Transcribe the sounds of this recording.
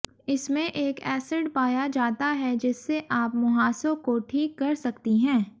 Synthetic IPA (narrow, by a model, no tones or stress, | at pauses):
ɪsmẽʔeːkɛːsɪɖpaːjad͡ʒaːt̪aɦɛd͡ʒɪsːeʔaːpmʊɦaːsõkoʈʰiːkːɐɾsɐkt̪iɦɛ̃ː